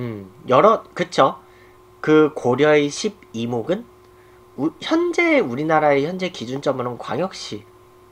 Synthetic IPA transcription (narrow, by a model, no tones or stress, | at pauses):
ɯjʌɾʌkɯt͡ɕʰo | kɯkoɾjʌeɕʰib̚imoɡɯn | uçjʌnd͡ʑe̞uɾinaɾaeçjʌnd͡ʑe̞kid͡ʑunt͡ɕ͈ʌmɯɾonkwa̰ŋjʌk̚ɕ͈i